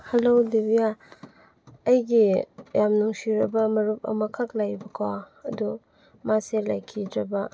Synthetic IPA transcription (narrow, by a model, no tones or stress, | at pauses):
hɐlodebija | ɐjɡijamnuŋsiɾɐbɐmɐɾup̚ɐ̰mɐkʰak̚lajbɐkʰa | ɐdu | maselajkʰidɾɐbɐ